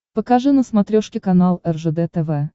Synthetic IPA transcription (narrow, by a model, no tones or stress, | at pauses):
pəkaʐɨnəsmat̪ɾʲoʂkʲɪkanalˠɛrʐɛd̪ɛt̪ɛvɛ